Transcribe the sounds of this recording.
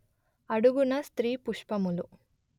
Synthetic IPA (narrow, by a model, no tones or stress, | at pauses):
ɐɽuɡunɐst̪ɾiːpuʂpɐmulu